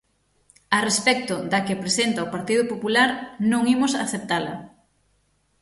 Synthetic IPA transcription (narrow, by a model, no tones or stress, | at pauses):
arespɛk̚t̪ʊd̪akepɾesent̪aopaɾt̪ið̞ʊpopulaɾnõŋimʊsaːθep̚t̪alɐ̰